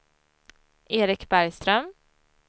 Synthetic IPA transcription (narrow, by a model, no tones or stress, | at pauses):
ʔeːɾɪkbæɾjst̪ɾœm